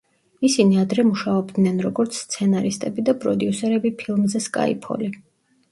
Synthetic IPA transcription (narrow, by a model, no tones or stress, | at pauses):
isiniad̪ɾɛmuʃaɔbd̪nɛnɾɔɡɔɾt̪sʰst̪sʰɛnaɾist̪ʼɛbid̪apʼɾɔd̪jusɛɾɛbipʰilˠmzɛskʼa̰ḭpʰɔ̰li